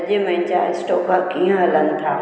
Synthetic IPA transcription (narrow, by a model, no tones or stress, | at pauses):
d͡ʒemɛ̃t͡ʃaːsʈoːkakiɦãlənt̪ʰa̰ː